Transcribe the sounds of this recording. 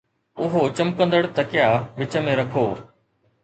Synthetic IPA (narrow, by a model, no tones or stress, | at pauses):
ʊɦot͡ɕɐmkə̃nd̪əɽt̪ɐkɪjaʋɪt͡ɕə̆mẽɾɐkʰoː